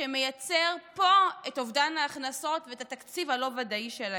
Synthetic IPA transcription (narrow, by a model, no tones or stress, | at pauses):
emejat͡seʁpo̞etovdanaːχnaso̞tveetat̪akt͡sivhalo̞vadaiʃela